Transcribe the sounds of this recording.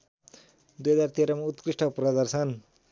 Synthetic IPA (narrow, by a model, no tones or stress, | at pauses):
d̪ujɦʌd͡zart̪eɾʌmaut̪kɾiʂʈʰʌprʌd̪ʌrsʌn